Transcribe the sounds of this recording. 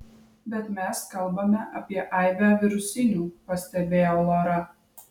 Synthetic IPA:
bʲɛt̪mʲɛskɐlˠbɐmʲɛʔɐpʲiɛʔɐˑɪʋʲæʋʲɪɾʊsʲɪnʲuːpɐsʲt̪ʲɛbʲeːjoːlˠɐɾɐ

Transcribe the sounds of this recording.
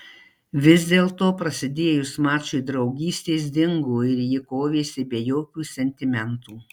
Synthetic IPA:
ʋʲɪzʲd̪ʲeːlˠt̪oːpɾɐsʲɪd̪ʲeːjʊsmɑːt͡ʃʊjd̪ɾɒʊɡʲiːsʲt̪ʲeːs̬d̪ʲɪŋɡoːɪɾjɪkoːʋʲeːsʲɪbʲeɛjoːkʲuːsʲɛnʲt̪ʲɪmʲɛnt̪uː

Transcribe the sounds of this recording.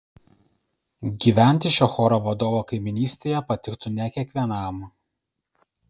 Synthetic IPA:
ɡʲiːʋʲæˑnʲt̪ʲɪʃʲoxɔːɾoʋɐd̪oːʋoːkɐɪmʲɪnʲiːsʲt̪ʲeːjɛpɐt̪ʲɪkt̪ʊnʲɛkʲiɛkʋʲiɛnɑˑm

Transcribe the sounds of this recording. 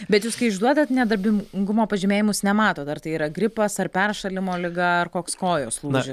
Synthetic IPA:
bʲɛt̪juːskɐɪɪʒd̪uɔd̪ɐt̪nʲɛd̪ɐɾʲbʲɪmŋɡʊmoːpɐʒʲɪmʲeːjɪmʊsnʲɛmɑːt̪oːt̪ɐrt̪ɐɪiːɾɐɡɾʲɪpɐsɐrpʲɛrʃɐlʲɪmoːlʲɪɡɐɐrkoːkskoːjoːslˠuʒʲɪs

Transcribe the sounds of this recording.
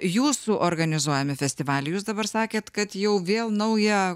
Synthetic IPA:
juːsuʔoɾɡɐnʲɪzuɔjɛmʲɪfʲɛsʲt̪ʲɪʋɑːlʲɛjuːsd̪ɐbɐɾsɑːkʲeːt̪kɐt̪jɛʊʋʲeːlˠnɐʊjɛ

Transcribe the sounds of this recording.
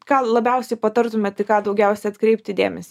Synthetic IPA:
kɑːlˠɐbʲɛʊsʲɛɪpɐt̪ɐɾt̪ʊmʲɛt̪ɐɪkɑːd̪ɐʊɡʲɛʊsʲɛɐt̪kɾʲɛɪp̚ʲt̪ʲɪd̪ʲḛːmʲɛsʲɪ

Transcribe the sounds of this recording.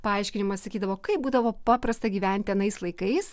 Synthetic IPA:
pɐɐɪʃʲkʲɪnʲɪmɐssɐkʲiːd̪ɐʋoːkɐɪpbuːd̪ɐʋoːpɑːpɾɐst̪ɐɡʲiːʋʲɛnʲt̪ʲɛnɐɪslˠɐɪkɐɪs

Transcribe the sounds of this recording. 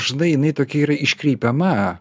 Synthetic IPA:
ʒnɐɪjɪnɐɪt̪oːkʲɛiːɾɐɪʃʲkɾʲiːpʲɛmɐ

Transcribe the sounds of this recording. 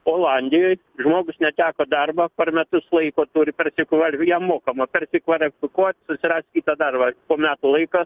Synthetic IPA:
oːlˠɑnʲd̪ʲɪjoːj | ʒmoːɡʊsnʲɛt̪ʲæːkoːd̪ɐrbɐpʲɛrmʲɛt̪ʊslˠɐɪkoːt̪uːɾʲɪpʲɛrʲsʲɪkʋɐlʲjɛmoːkɐmɐpʲɛrʲsʲɪkʋɐlʲɪfʲɪkuɔt̪ʲsʊsʲɪrɑːsʲkʲiːt̪ɐd̪ɐrbɐpoːmʲæːt̪ʊlˠɐɪkɑ

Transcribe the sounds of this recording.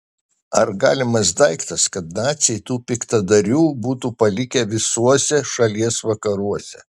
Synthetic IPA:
ɐɾɡɑːlʲɪmɐsd̪ɐɪkt̪ɐskɐt̪̚nɑːt̪sʲɛɪt̪uːpʲɪkt̪ɐd̪ɐɾʲuːbuːt̪uːpɐlʲɪkʲɛʋʲɪsuɔsʲɛʃɐlʲiɛsʋɐkɐɾuɔsʲɛ̰

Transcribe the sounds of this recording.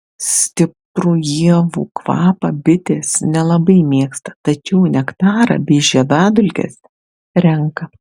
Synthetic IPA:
sʲt̪ʲɪpɾuːjiɛʋṵːkʋɑ̰ːpɐbʲɪt̪ʲeːsnʲɛlˠɐbɐɪmʲiɛkst̪ɐ̥t̪ɐt͡ʃʲɛʊnʲɛkt̪ɑːɾɐ̰bʲɛʒʲɛd̪ɑːd̪ʊlʲkʲḛːs | ɾʲɛŋkɐ

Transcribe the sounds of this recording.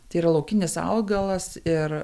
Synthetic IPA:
t̪ɐɪiːɾɐlˠoʊkʲɪnʲɪsɐ̰lˠɡɐlˠɐsɪɾ

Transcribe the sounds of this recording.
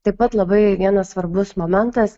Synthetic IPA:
t̪ɐɪpɐt̪lˠɐbɐɪʋʲiɛnɐssʋɐɾbʊsmoːmʲɛnt̪ɐs

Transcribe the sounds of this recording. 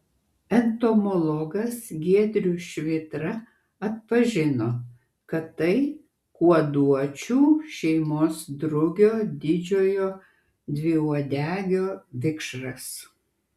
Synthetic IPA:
ɛnt̪omɔlˠɔɡɐsɡʲiɛd̪ʲɾʲuːʃʲʋʲɪt̪ɾɐ | ɐt̪̚pɐʒʲɪnoː | kɐt̪ːɐɪ | kuɔd̪uɔt͡ʃʲuːʃʲɛɪmoːsd̪ɾʊɡʲoːd̪ʲɪd͡ʒʲoːjoː | d̪ʲʋʲɪuɔd̪ʲæːɡʲoːʋʲɪkʃɾɐs

